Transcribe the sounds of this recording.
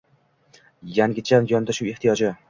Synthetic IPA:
jaŋɡʲɪt͡ʃʰanjɒnd̪aʃuweht̪ʰijɒd͡ʒɪ

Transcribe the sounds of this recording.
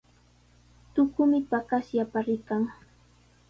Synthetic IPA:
t̪ʊkʊmɪpakasjapaɾɪkaŋ

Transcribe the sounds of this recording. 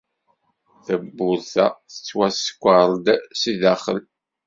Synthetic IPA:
θəbːʊɾθæ̰θə̥t͡sːwæsə̥kʷːəɾˤd̪siðæχə̰l

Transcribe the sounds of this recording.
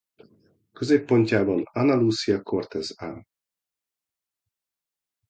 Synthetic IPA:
køzeːpːo̞ɲcaːbɒnɒnɒluːsijɒko̞rt̪ɛzaː

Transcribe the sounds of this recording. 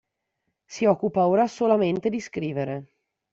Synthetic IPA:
siɔkːupaoːɾasolament̪ed̪iskɾiːveɾe

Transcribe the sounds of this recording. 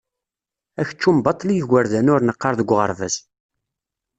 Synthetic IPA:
æçə̥t͡ʃːumbɑt̪ˤːlijəʝəɾðænʊɾnəqːɑɾˤðəɡʷːʁəɾˤvæ̰s

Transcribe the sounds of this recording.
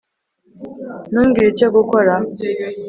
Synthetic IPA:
nuːŋɡiɾiceɡukoɾa

